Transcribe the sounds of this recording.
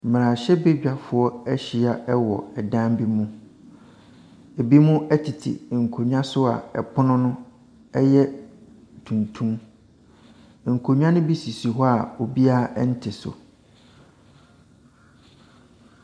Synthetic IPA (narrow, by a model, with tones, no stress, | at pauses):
m̩˨m˨ɾã˨ɕɛ˦be˦d͡ʑᶣa˦˨fʊ˨ɔ˦ɛ˦ɕi˨a˨ʔɛ˦wɔ̰˨ɛ˨dã˦mbi˦mũ˦ | e˨bi˦mũ˦ɛ˦tʰi˨tʰḭ˨ŋ̩˨kʰo˨ɲᶣ˦ã˦sʊ˦a̰˨ɛ̰˨pʰʊ˦nʊ̃˦nʊ̃˦ | ɛ˦jɛ˦ | tʰũ˨ntʰũ˦m | ŋ̩˨kʰo˨ɲᶣ˦ã˦nʊ̃˦bi˦si˨si˨ɦɔ˦a˨o˨bi˦a˦n̩˦tʰɪ˨sʊ̰˨